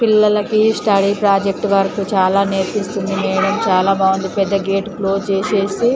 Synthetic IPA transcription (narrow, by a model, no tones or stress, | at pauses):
pilːɐlɐkisʈɐɽiːpɾaːd͡ʒek̚ʈʋɐɾɐkut͡ʃaːlaːneɾt͡ʃist̪und̪imɛːɽɐmt͡ʃaːlaːbaːʋond̪ipɛd̪ːɐɡeːʈkloːt͡ʃeːseːsi